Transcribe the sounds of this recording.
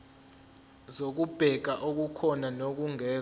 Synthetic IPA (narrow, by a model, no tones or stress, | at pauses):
zok̬ub̥ʱɛk̬aʔok̬ukʰɔnanok̬uŋɛː